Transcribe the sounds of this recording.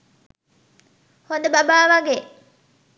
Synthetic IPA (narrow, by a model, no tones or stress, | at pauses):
hod̪əbabaːʋaɡeː